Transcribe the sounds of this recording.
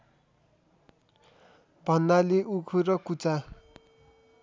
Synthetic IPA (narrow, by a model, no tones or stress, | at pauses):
bʱʌnːaleʔukʰuɾʌkut͡sa